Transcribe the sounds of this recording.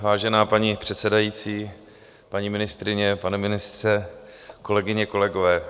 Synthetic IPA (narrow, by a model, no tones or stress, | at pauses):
vaːʒɛnaːpaɲipr̝̥ɛt̪sɛdajiːt͡siː | paɲiːmɪnɪst̪ɾɪɲɛpanɛmɪnɪst̪r̥ɛko̞lɛɡɪɲɛko̞lɛɡo̞vɛː